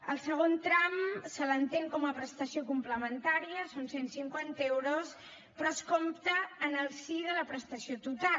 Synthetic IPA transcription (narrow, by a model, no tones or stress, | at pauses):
əlˠsəɣ̞ont̪ɾamsələnt̪eŋkɔməpɾəst̪əsiokumpləmənt̪aɾiəsonsensiŋkwant̪əewɾos | pɾɔəskomt̪əːnəlˠsiðələpɾəst̪əsiot̪ut̪al